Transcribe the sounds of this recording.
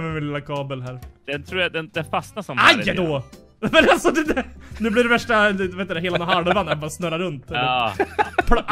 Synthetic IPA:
mɛmɪnlɪlːakʰɑːbəlɦæːɾd̪̥ɛnt̪ʰɾuːɾjad̪ɛnd̪ɛnfastnasɔmajd̪o | mɛnalsɔd̪ɛd̪ɛnʉ̟ːblɪɾɛvæʂʈaeːt̪ːd̪ɛɦeːlanɔɦaləvanabɑːɾasnœɾaɾɵnt̪ɛlː | pʰ

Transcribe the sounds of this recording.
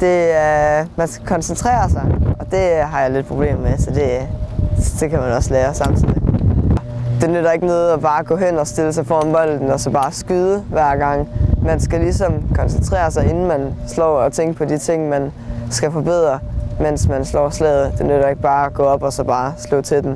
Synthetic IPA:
d̥e̝ | mænsɡ̥ækʰɒ̽nsent͡sʰʁɛ̰ːɐsɑ̈ɪɒ̽d̥e̝ɦɑ̈jɑ̈ɪle̝d̥̚pʰʁo̝b̥le̝̰ːmmesɒ̽d̥e̝ | d̥e̝kʰæmænɒ̽slɛːɐsɑ̈m̰t͡sʰiðɒd̥e̝nøɾ̥ɐe̝ɡ̥ənoːðˠɒb̥ɑ̈ːɡ̥ɔ̰̽ːɦen̰ɒ̽sd̥e̝ləs̬ɑ̈ɪfɒ̰nb̥ɒ̽l̰d̥n̩ɒ̽sɒ̽b̥ɑ̈ːsɡ̥yːðˠəʋæɐ̰ɡ̥ɑ̈ŋ̰mænsɡ̥ælisɒ̽mkʰɒ̽nsənt͡sʰʁɛ̰ːɐsɑ̈ɪe̝nn̩mænslɒ̰ːɒ̽t͡sʰeŋ̰ɡ̥əpʰɒ̽d̥it͡sʰe̝ŋ̰mæn | sɡ̥æfɒ̽b̥eð̞̰ˠʁɐmen̰smænslɒ̰ːslɛ̰ð̞̩ˠd̥e̝nøɾ̥ɐe̝ɡ̥̚b̥ɑ̈ːæɡ̥ɔ̰̽ːɒ̽b̥ɒ̽sɒ̽b̥ɑ̈ːslɔ̰ːt͡sʰe̝ld̥en

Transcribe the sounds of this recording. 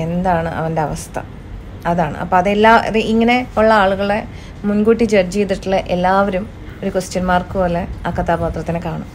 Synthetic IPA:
e̞nd̪aːɳɨʔɐ̰ʋɐnde̞ɐʋɐst̪ʰɐ̰ | ɐðaːɳɨ̰ʔɐ̰pːoːɐðelːaːʔɐ̰ðɨʔiŋːɐne̞uɭːɐaːɭuɣɐɭe | munɡuːʈːit͡ɕɐrd͡ʑejt̪ːiʈːiɭɐʔelːaːʋɐɾum | o̞ɾukust͡ɕɐnmaːrkɨpoːleaːkːɐt̪ʰːaːbaːt̪rɐt̪ːinɨkaːɳum

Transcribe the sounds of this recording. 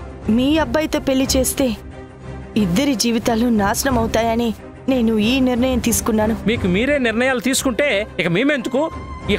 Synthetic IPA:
miːɐbːɐjt̪ɐpe̞lːit͡ʃe̞ːst̪e̞ː | id̪ːɐɾid͡ʒiːʋit̪aːlunaːsɐnɐmɐwut̪aːjɐni | ne̞ːnuiːniɾnɐjɐmt̪iːsu̥kunːaːnumiːkumiːɾe̞ːniɾɳɐjaːlut̪iːsu̥kuɳʈe̞ːikɐmeːme̞nd̪ukui

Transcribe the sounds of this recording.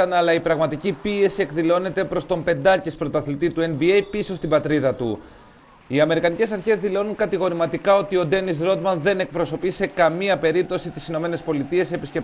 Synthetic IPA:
ɐnɐlɐipɾɐɣmɐt̪icipie̞sie̞kðilo̞ne̞t̪e̞pɾo̞st̪o̞mpe̞nd̪ɐcispɾo̞t̪ɐθlit̪it̪ue̞nbie̞jpiso̞st̪ibɐt̪ɾiðɐt̪ṵ | iɐme̞ɾikɐnice̞sɐɾçe̞zðilo̞nuŋkɐt̪iɣo̞ɾimɐt̪ikɐo̞t̪io̞d̪e̞nis̬ɾo̞d̪mɐnðe̞ne̞k̚pɾo̞so̞pise̞kɐmiɐpe̞ɾip̚t̪o̞sit̪i̥sino̞me̞ne̞spo̞lit̪ie̞se̞piscep

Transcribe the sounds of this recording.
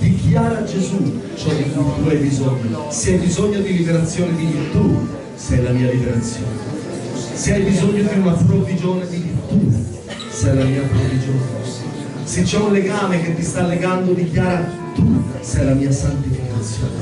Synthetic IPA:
d̪̥ikjaːɾad͡ʒezu | t͡ʃɔd̪ikujt̪uajbizɔɲːoseajbizɔɲːod̪ilibeɾat̪sːjoːned̪ivirt̪u | sɛjlamiːalibeɾat̪sːjo̰ːne | seajbizɔɲːod̪iunapɾovid͡ʒoːned̪ivirt̪u | sɛjlamiːapɾovid͡ʒoːne | set͡ʃːɛunleɡaːmek̟et̪ːist̪alːeɡand̪od̪ikjaːɾa | t̪usɛjlamiːasant̪ifikat̪sːjo̰ːne

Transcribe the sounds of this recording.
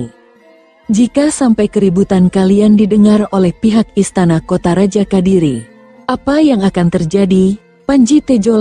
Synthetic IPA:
d͡ʒikasampajkəɾibut̪ankaliandidəŋarolɛhpiɦak̚ist̪anakot̪aɾad͡ʒakadiɾi | ʔapajaŋakant̪ərd͡ʒadi | paɲd͡ʒit̪ed͡ʒol

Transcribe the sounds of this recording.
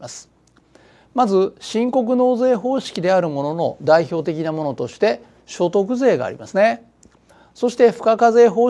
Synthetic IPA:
asɨ̥ | mazɨɕĩŋko̞k̬ɯ̟no̞ːze̞ːɦo̞ːɕi̥kʲid̪e̞aɾɯ̟mo̞no̞no̞̰d̪aiço̞ːt̪e̞kʲinamo̞no̞t̪o̞ɕi̥t̪e̞ | ɕo̞t̪o̞k̬ɯ̟ze̞ːɡa̰ːɾʲḭmasɨne̞ | so̞ɕi̥t̪e̞ɸɯ̟̥kakaze̞ːɦo̞ː

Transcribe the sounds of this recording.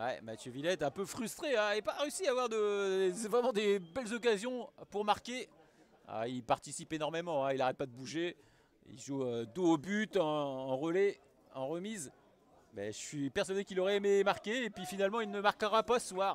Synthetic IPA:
wɛ̰mat̪jøvilɛt̪ɛ̃pøfχyst̪χeɛepaʁeysiavwaʁd̪əvʁɛmɑ̃d̪ebɛlzɔk̬azjɔ̃puʁmaʁkʲe | a̰ilpaʁt̪isipenɔʁmemɑ̃ɛ̃ilaʁɛt̪̚pad̪əbuʒe | ḭlʒuød̪uobyt̪ɑ̃ːʁəle | ɑ̃ʁəmiz | mɛ̰ʒəsɥipɛʁswad̪ekʲilɔʁɛememaʁkʲeːpɥifinalmɑ̃ilnəmaʁkəʁapaswaʁ

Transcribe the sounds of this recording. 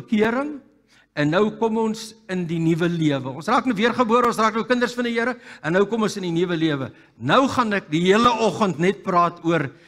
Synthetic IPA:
əkiəɾəŋ | ɛnːəwkɔmɔnsəndinivəliəvəɔ̃nsrɑːknəwviərχəbuəɾəɔ̃nsraːknəkəndərsfɐndijiəɾəɛnːəwkɔmɔnsəndinivəliəvə | nəwχɐnɛk̚diɦiələʔɔχəntnɛt̚prɑːtuər

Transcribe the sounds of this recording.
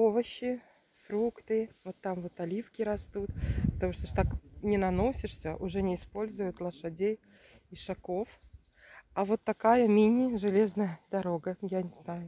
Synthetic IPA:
ovəɕːɪ | frukt̪ɨvot̪ːamvot̪ɐlʲifkʲɪɾɐst̪ut̪pət̪ɐmuʂt̪oʂt̪aknʲɪnɐno̞sʲɪʂsʲəʔʊʐɛnʲɪːspo̞lʲzʊjʊt̪lˠəʂɐdʲej | iʂakof | avot̪ːɐkajəmʲinʲɪʐɨlʲeznəjəd̪ɐɾoɡəjanʲɪznajʊ

